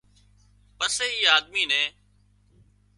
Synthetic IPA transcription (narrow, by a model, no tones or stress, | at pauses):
pəseːiːaːd̪̚miːnẽː